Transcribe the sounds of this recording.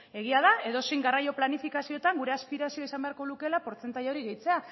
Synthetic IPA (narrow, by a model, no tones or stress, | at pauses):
e̞ɣ̞iaðae̞ðo̞sejŋɡarajo̞planifikasio̞t̪aŋɡuɾe̞aspiɾasio̞isambe̞aɾko̞luke̞lapo̞ɾt͡se̞nt̪aʎao̞ɾiɣejt͡se̞a